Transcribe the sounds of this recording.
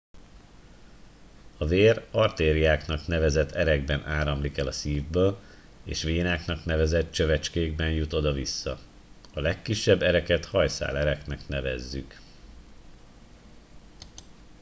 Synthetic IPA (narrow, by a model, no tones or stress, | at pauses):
ɒveːrɒrt̪eːɾiaːknɒkn̪ɛvɛzɛt̪ʰːɛɾɛɡ̚bɛnʔaːɾɒmlikɛlɒsiːvbøːl | eːʃʋeːnaːknɒkn̪ɛvɛzɛt̪̚t͡ʃø̞vɛt͡ʃkeːɡ̚bɛnjut̪o̞d̪ɒvisːɒ | ɒlɛkːiʃːɛbːɛɾɛkɛt̪hɒjsa̰ːlɛɾɛknɛknɛvɛzːyk